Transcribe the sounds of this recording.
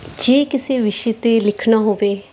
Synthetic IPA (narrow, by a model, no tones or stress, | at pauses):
d͡ʒeːkɪseːʋɪʃeːt̪eːlɪkʰnaːɦoːʋeː